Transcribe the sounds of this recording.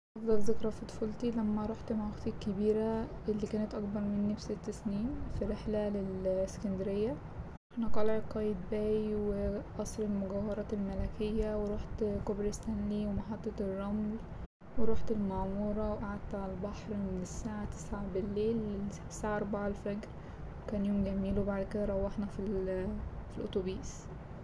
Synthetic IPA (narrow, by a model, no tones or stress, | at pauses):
ʔɑfd̪ˤɑlzekɾˤɑfit̪ˤfolt̪ilæmːæɾˤuːħt̪mawæɡt̪ikːebiːɾæʔelːikæːnæt̪ʔɑkbɑɾˤmenːefset̪ːæsniːmfiɾeħlælelsːkænd̪eɾejːæ | ħnæq̪ˤɑlʕeqːɑjed̪bæːjweʔɑsˤɾelmoɡæwɑɾˤɑːtelmælækejːæweɾˤuːħt̪kobɾest̪ænliwemɑħɑt̪ˤːɑt̪erˤːɑml | weɾˤuːħt̪elmɑʕmuːɾˤɑwʔaʕad̪̚t̪ʕalbɑħɾmenesːaːʕat̪e̥sʕabɪlːeːlː | saːʕaʔɑɾˤbaʕalfæɡɾ | wkæːnjoːmɡæmiːlwebaʕd̪ked̪æɾˤɑwːɑħnæfil | filʔo̰t̪ˤobiːs